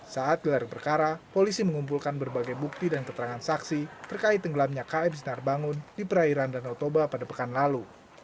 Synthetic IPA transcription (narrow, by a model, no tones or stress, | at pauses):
saat̪̚ɡilaɾpərkaɾapolisiməŋump̬ulkanbərbaɡajbuk̚t̪idankət̪əɾaŋansaksit̪ərkaɪt̪ːəŋɡəlamɲakaɛmsənarbaŋʊndipəɾaiɾandanɔt̪obapadapəkanlalu